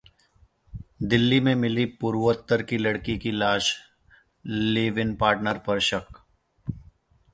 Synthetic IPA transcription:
d̪ɪlːimẽmɪlipuːɾwət̪ːəɾkilɐɽkikilaːʃ | leːʋɪnpaːɾʈnəɾpɐɾʃək

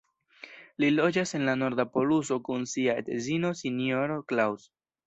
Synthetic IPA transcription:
lilo̞d͡ʒase̞nlano̞ɾdapo̞luso̞kunsiaḛdezino̞sinjoɾoklaws

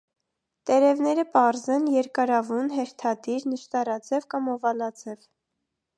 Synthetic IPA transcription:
t̪ɛɾɛvnɛɾəpɑɾzɛnjɛɾkɑɾɑvunɦɛɾt̪ʰɑd̪iɾnəʃt̪ɑɾɑt͡sɛvkɑmɔvɑlɑt͡sʰɛv

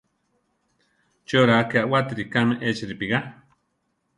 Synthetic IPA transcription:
t͡ʃoɾaakeaʔwat̪iɾikameʔet͡ʃiɾipiɣa

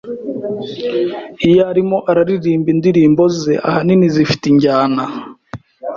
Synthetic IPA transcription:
ijaɾimo̞ʔaɾaɾiɾiːmbindiɾiːmbo̞zḛʔa̰haninizifi̥tiɲɟaːna

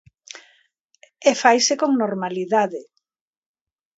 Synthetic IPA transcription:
efajsekoŋnoɾmaliðaðɪ

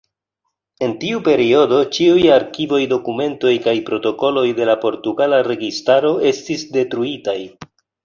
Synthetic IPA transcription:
e̞ntiupe̞ɾio̞do̞t͡ʃiujaɾkivo̞jdo̞kume̞nto̞jkajpɾo̞to̞ko̞lo̞jde̞lapo̞ɾtuɡalaɾe̞ɡistaɾo̞e̞stisde̞tɾuitaj

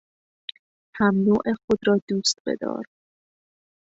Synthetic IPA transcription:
hæmnuːʔexod̪ɾɒːd̪uːst̪̚bḛd̪ɒ̰ːɾ

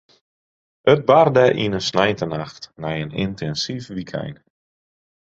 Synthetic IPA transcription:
ət̚bardɛʔinənsnajntənaxtnɛjənintɛnsifʋikʰɛ̰jn

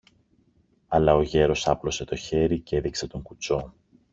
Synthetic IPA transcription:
ɐlɐo̞ʝe̞ɾo̞sɐplo̞se̞t̪o̞çe̞ɾice̞ðikse̞t̪o̞ŋkut͡so̞

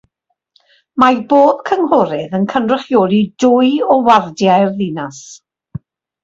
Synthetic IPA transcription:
maboːð̥kʰəŋɦɔɾɪðənkʰəndrɪχjoːlˠidʊjɔwardjajrðɪnas

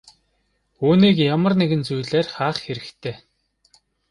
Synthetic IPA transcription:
uːniːkjamə̆rneɣɘ̆nt͡sujɮeːrχaːχxeɾɘ̆kt̪ʰeː

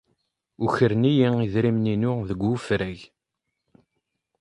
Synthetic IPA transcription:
uçəɾnijiiðɾimninʊðəɡʷufɾæʝ

